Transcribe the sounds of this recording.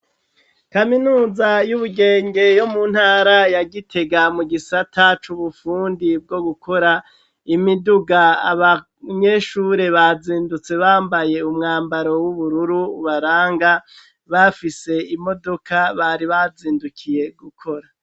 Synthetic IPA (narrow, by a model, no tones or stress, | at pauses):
kaminuːzajuβuɡe̞ːŋɡe̞jo̞mun̥haːɾajaɡitʰe̞ɡamuɡisatʰat͡ʃuβufuːndib̚ɡo̞ɡukʰo̞ɾa | imiduɡaaβa | ɲe̞ʃuɾe̞βaziːndut͡se̞βaːmbaje̞umŋaːmbaɾo̞wuβuɾuɾuːβaɾaːŋɡa | βafise̞imo̞do̞kaβaɾiβaziːndukʰije̞ɡukʰo̞ɾa